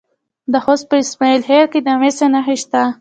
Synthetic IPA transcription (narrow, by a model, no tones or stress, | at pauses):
d̪əhospəɪsmailɦeɾked̪amesenaxeʃt̪a